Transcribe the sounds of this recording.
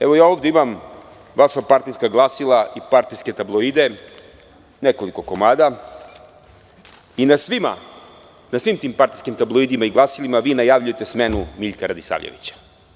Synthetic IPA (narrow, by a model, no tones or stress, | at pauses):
eʋojaːo̞ːvd̪eimam | ʋaʃapaɾt̪ijskaɡlˠasilˠaʔipaɾt̪ijske̞t̪ablˠoid̪e̞ | nekoliko̞komaːd̪a | inasʋima̰ | nasʋiːmt̪iːmpaɾt̪ijskimt̪ablˠoid̪imaiɡlˠasilimaʋiːnajaʋʎuje̞t̪e̞smenumiʎkaɾad̪isa̰ʋʎḛʋḭt͡ɕḁ